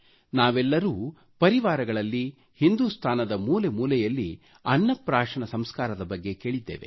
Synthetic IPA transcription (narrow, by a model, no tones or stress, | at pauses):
naːʋɛlːɐɾuː | pɐɾiʋaːɾɐɡɐɭɐlːi | hind̪ust̪ʰaːnɐd̪ɐmuːle̞muːlɛjɐlːi | ɐnːɐpɾaːʂɐɳɐsɐmskaːɾɐd̪ɐbɐɡːe̞ke̞ːɭid̪ːḛːʋe̞̰